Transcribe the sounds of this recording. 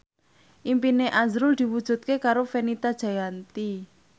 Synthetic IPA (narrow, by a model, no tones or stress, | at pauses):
ʔimpineʔazɾʊld̪̥i̤wud̥ʒ̥ṳt̪̚kekaɾofenit̪ad̥ʒ̥a̤jant̪i